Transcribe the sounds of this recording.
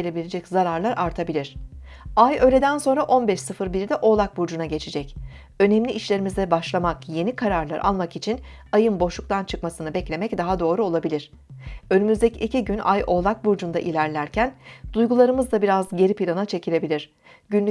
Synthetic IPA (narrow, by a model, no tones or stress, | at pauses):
elʲe̞bilʲed͡ʒɛczaɾaɾlˠaɾʔaɾt̪ʰabilʲiɾ̝̥ | ajø̞jlʲe̞d̪ænso̞nɾaʔo̞nbɛʃsɯfɯɾbiɾid̪ɛʔo̞lˠak̚buɾd͡ʒunaɟe̞t͡ʃʰed͡ʒɛc | ø̞nɛmlʲiʔiʃlʲe̞ɾimizd̪ɛbaʃlˠamakje̞nikʰaɾaɾlˠaɾʔa̰lˠmakit͡ʃʰin | ajɯnbo̞ʃlˠuk̚t̪ʰant͡ʃʰɯkmasɯnɯbɛclʲe̞mɛcd̪aɦad̪o̞ːɾuo̞lˠabilʲiɾ̥ | ø̞nymyzd̪eciʔːcʰiɟynʔa̰jo̞lˠak̚buɾd͡ʒund̪aʔilʲæɾlʲæɾcʰænd̪̥ujɡulˠaɾɯmɯzd̪abiɾazɟe̞ɾipilʲˠanat͡ʃʰe̞cʰilʲe̞bilʲiɾ̥ | ɟynlʲ